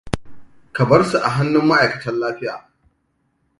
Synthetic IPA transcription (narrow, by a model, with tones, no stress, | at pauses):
kɐ˨bɐ˦rsu˨ʔa˨ɦa˦nːʊ˦mːɐ˦ʔa˨jkɐ̥˨tɐ˦nlaː˦ɸɪ˦ja̰ː˨